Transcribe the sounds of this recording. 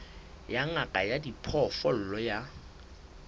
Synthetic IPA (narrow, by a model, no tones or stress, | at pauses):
jaŋakʼajadipʰɔfɔl̩lɔja